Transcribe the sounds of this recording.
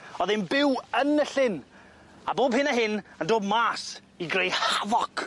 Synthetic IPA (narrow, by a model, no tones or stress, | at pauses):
ɔðɪnbɪwənəɬɪn | aboːbhɪnaɦɪnəndoːbmaːs | iɡrejhavɔk